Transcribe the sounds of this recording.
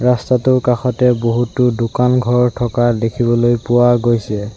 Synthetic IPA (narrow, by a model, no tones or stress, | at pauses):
ɹastatʊkaxɔtɛboɦutʊdʊkanɡʱɔɹtʰɔkadekʰibɔlojpʊwaɡojsɛ